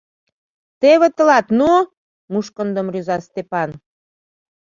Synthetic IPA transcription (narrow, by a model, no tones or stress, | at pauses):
t̪eβĕt̪ə̆lɑt̪nu | muʃkə̆nd̪ə̆mryzɑst̪epɑn